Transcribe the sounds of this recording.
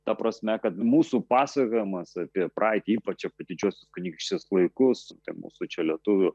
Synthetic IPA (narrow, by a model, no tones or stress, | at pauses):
t̪ɐpɾɐsʲmʲɛkɐt̪muːsupɑːsɐkoːjɪmɐsɐpʲiɛprʔɑːɪt̪ʲɪiːpɐt͡ʃɛpɐd̪ʲɪd͡ʒʲuɔsʲʊskʊnʲiːkʃʲt͡ʃʲɪslˠɐɪkʊst̪ɐɪmṵːsʊt͡ʃʲɛlʲiɛt̪ʊʋʲʊ